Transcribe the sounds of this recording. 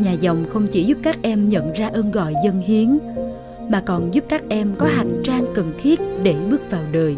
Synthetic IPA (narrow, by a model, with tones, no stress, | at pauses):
ɲaː˨˩zɔ˨˩wŋ͡mxə˧wŋ͡mt͡ɕi˧˩zu˦˥p̚kaː˦˥k̚ʔɛ˧mɲə̰˧˨nzaː˧ʔəː˧nɣɔ̰˧˨jzə˧nhi˨˦ən | maː˨˩kɔ˨˩nzu˦˥p̚kaː˦˥k̚ʔɛ˧mkɔ˨˦ɦa̰˧˨˩jŋ̟t͡ɕaː˧ŋkə˨˩nt̪ʰi˦˥ət̚ɗe˧˩ɓɨ˦˥ək̚vaː˨˩wɗəː˨˩j